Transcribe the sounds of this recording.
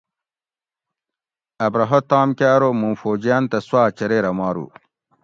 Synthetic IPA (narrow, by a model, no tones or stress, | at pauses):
ɐbɾɐɦot̪aːmkʲaːɾomumfoːd͡ʑijaːnt̪ɐswaːt͡ɕɐɾeːɾɐmaːɾṵː